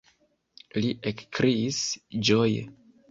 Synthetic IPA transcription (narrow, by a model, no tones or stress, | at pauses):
liʔekkɾʔiisd͡ʒoj